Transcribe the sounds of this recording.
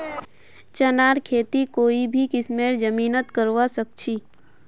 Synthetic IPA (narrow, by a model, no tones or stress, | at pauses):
t͡ʃənaːɾkʰeːt̪ikoːibʱikɪsmeːɾd͡ʒəmiːnət̪kəɾʋasək̚t͡ʃʰiː